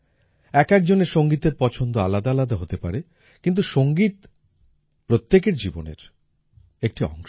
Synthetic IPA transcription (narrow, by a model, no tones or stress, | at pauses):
ɛkɛkd͡ʑoneɾʃoŋɡit̪eɾpɔt͡ɕʰond̪oa̰lad̪aalad̪aɦot̪epa̰ɾe | kint̪̬uʃoŋɡit̪ | pɾot̪ːek̬eɾd͡ʑibo̰nḛɾ | ek̚ʈiɔ̰ŋʃ